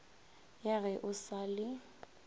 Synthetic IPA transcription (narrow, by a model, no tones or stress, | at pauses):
jaɣɛʔʊsalɪ